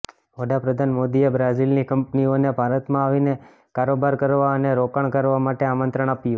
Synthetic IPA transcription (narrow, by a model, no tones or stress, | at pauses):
ʋəɖapɾəd̪ʱanmod̪iebɾazilnikəmpnionebʱaɾət̪mãaʋine | kaɾobaɾkəɾʋaəneɾokəɳkəɾʋamaʈeamənt̪ɾəɳ̃apju